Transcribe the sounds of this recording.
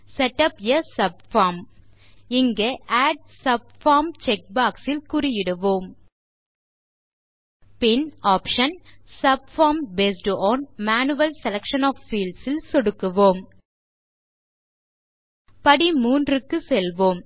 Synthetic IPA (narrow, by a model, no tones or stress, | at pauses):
sɛʈːɐpjɐsɐb̚faːm | ɪŋɡɐʔaːɖ̚sɐb̚faːmt͡ʃɛk̚baːksɪlkʊɾɪjɪɽɯʋoːm | pɪnaːpʂɐnsɐb̚faːmbeːsʈɔːnmaːnɯʋɐlsɛlɐkʂɐnɔːfːiːlsɪlsɔɽɯkːɯʋoːm | pɐɽimuːndrɯkːɯsɛlʋoːm